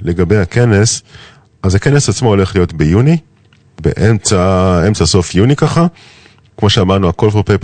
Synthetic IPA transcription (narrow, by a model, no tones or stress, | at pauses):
le̞ɡabejhake̞ne̞s | ʔazake̞ne̞sat͡smoo̞le̞χlijo̞tbejuni | be̞̰ʔemt͡sae̞mt͡saso̞fjunikaχa | kmo̞ʃeamaʁnuako̞lfopejp